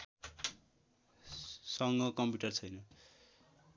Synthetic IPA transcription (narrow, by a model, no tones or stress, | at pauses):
sʌŋɡʌkʌmpjuʈʌrt͡sʰʌjnʌ